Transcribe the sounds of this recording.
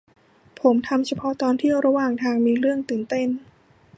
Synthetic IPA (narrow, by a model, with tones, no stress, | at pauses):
pʰo˩˦mt̪ʰa˧mt͡ɕʰa˧pʰɔ˦˥t̪ɔː˧nt̪ʰi˥˩əwɾa˧waː˨˩ŋt̪ʰaː˧ŋmiː˧ɾɯ˥˩əŋt̪ɯː˨˩nt̪e˥˩n